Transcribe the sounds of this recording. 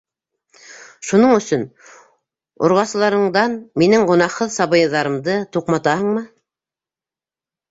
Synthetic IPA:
ʃunɤɴɵ̆sɵn | ŏ̰ɾʁɑsɤ̆lˠɑɾɤ̆ɴd̪ɑnminɘŋʁŏnɑqhɤðsɑβɤ̆jɤ̆ðɑɾɤ̆md̪ɤt̪uqmɑt̪ɑhɤ̆ɴmɤ

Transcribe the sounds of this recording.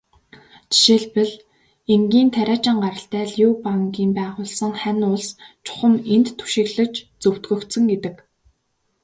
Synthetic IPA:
t͡ɕi̥ʃeɮpɘ̆ɮ | eŋɡʲiːnt̪ʰæɾʲaːt͡ɕɪ̆ŋɢaɾə̆ɬt̪æːɮjuːpaŋkiːmpæːʁʊːɮsə̆ŋχænʊɮst͡ɕʰʊ̥χə̆ment̪ʰːu̥ʃɪ̆ɣɮɘ̆t͡ɕt͡sɵw̥t̪ɡɵ̆kt̪sə̆ŋɡet̪ɘ̆k

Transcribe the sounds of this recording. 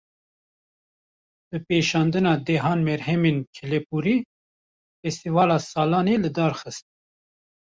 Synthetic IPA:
b̥ɨpeːʃɑːnd̪ɨnɑːd̪ɛːɦɑːnmɛɾɦɛmeːnkʰɛlepuːɾiː | fɛst̪ivɑːlɑːsɑːlɑːneːlɨd̪ɑːɾxɨst̪̚

